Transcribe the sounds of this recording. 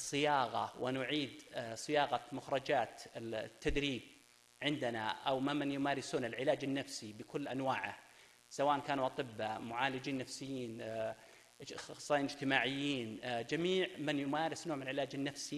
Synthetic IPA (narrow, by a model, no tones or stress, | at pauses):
sˤːɨjɑːɣɑ̰wʔɪnʊʕiːd̪sˤɨjɑːɣɑmʊxɾˤɑd͡ʒaːt̪t̪ːad̪ɾiːb̚ | ʕɪnd̪anaʔawmamanjʊmaːɾɪsuːnɪlʕɪlaːd͡ʒɪnːafsibɪkʊlːʔanwaːʕa | sawaːʔankaːnuʔɑt̪ˤɨbːamʊʕaːlɪd͡ʒiːnːafsɪjːiːn | sˤːiːnɪd͡ʒt̪ɪmaːʕɪjːiːnd͡ʒamiːʕmɪnjʊmaːɾɪsnoːʕmɪnlʕɪlaːd͡ʒɪnːafsi